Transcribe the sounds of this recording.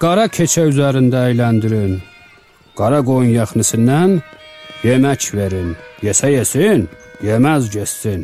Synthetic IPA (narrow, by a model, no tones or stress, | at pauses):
ɡ̥ɑɾɑcʰet͡ʃʰæyzæɾind̪æːjlænd̪iɾin | ɡ̥ɑɾɑɡojunjɑχnisinːænjemæcʰveɾinjesæjesinjemæzɟesːin